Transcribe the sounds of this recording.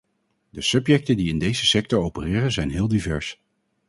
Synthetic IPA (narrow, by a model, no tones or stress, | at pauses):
dəsɵpjɛk̚təndiɪndejzəsɛk̚tɔɹowpərɪːrənzɛjnɦɪːlˠdivɛ̰ɹs